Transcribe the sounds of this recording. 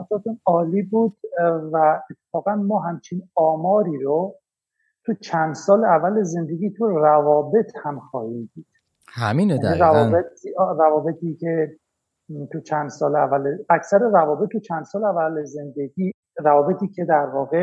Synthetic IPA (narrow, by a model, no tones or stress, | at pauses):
æsɒːt̪ʰunɒːliːbuːd̪̥væet̪ʰːe̥fɒːɣænmɒːɦæmt͡ʃʰinɒːmɒːɾiːɾo | t̪ʰut͡ʃʰænd̪sɒːleævæleze̞nd̪eɡʲiːt̪ʰurævɒːbe̞t̪ʰhæmxɒ̰ːhiːmd̪iːd̪̥ | hæminiɾævɒbet̪ɾævɒːbe̞t̪ʰiːcʰe | t̪ʰut͡ʃʰænd̪sɒːleævæleæcsæɾerævɒːbet̪ːut͡ʃʰænd̪̥sɒːleævæleze̞nd̪eɡiː | ɾævɒːbe̞t̪ʰiːcʰe̞d̪æɾvɒːɣe